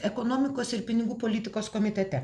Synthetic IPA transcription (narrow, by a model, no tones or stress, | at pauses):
ɛkonoːmʲɪkoːsɪɾpʲɪnʲɪɡuːpoːlʲɪt̪ʲɪkoːskoːmʲɪt̪ʲɛt̪ʲɛ